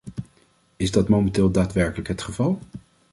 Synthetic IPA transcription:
ɪzdɑtmowmɛntɪːlˠdaːtʋɛɹkələkɦətχəvɑlˠ

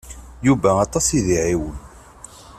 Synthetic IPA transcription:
juvæɑt̪ˤɑsiðiʕiwən

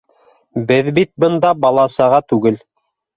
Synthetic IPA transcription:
bɘðbit̪̚bɤ̆nd̪ɑbɑlˠɑsɑʁɑt̪ʉɡɘl

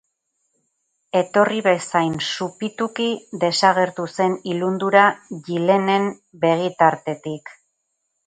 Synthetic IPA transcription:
e̞t̪o̞riβesajnsupit̪ukiðe̞saɣe̞ɾt̪use̞nilund̪uɾaʝile̞ne̞m | be̞ɣ̞it̪aɾt̪e̞t̪ik

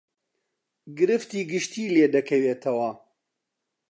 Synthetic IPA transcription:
ɡɨɾɨft̪iːɡɨʃt̪iːleːd̪ɐkʰɐweːt̪ʰɐwɐ

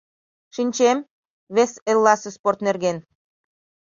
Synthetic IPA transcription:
ʃinʲt͡ɕem | βeselːɑsesport̪nerɣen

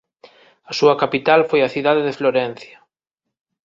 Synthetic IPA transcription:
ɐsuɐkapit̪alfojɐθiðaðeðefloɾɛn̟θjɐ

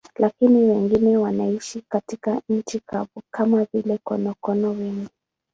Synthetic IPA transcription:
lʔakiniwɛŋɡinɛwanaiʃikatikaɲ̩t͡ʃikʰaɓukʰamavilɛkɔ̰nɔkɔnɔwɛŋɡi

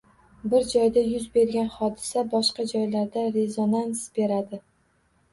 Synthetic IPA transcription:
bɪɾd͡ʒɒjd̪ajʊzbe̞ɾɡʲanχɒd̪ɪsabɒʃqɑd͡ʒɒjlaɾd̪aɾe̞zonansbe̞ɾad̪ɪ

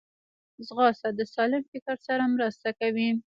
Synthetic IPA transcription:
zɣɑsad̪əsɑlɪmfɪkaɾsaɾamɾəst̪akawi

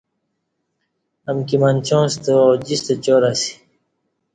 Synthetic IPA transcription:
ɐmkimant͡ɕõːst̪ood͡ʑist̪ot͡ɕoːɾasi̥

